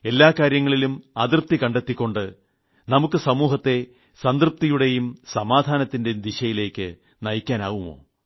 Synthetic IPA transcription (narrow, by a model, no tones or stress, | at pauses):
e̞lːaːkaːɾjɐŋːɐɭilumɐðirp̚t̪ikɐɳɖe̞t̪ːikʲːo̞ɳɖɨ | nɐmukːɨsɐmuːɦɐt̪ːe̞ | sɐnd̪rɨp̚t̪ijuɽe̞jumsɐmaːd̪ʱaːnɐt̪ːinded̪iɕɐjile̞ːkːɨ | nɐjikʲːaːnaːʋumo̞̰ː